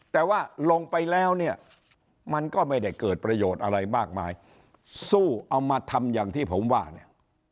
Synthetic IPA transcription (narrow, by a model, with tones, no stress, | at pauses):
t̪ɛː˨˩waː˥˩lo˧ŋpa˧jlɛː˦˥wni˥˩ɐ | ma˧nkɔː˥˩ma˥˩jda˥˩jkɤː˨˩t̪̚pɾa˧joː˨˩t̪ʔa˧ɾa˧jmaː˥˩k̚maː˧j | suː˥˩ʔa˧wmaː˧t̪ʰa˧mjaː˨˩ŋt̪ʰiː˥˩pʰo˩˦mwaː˥˩ni˥˩ɐ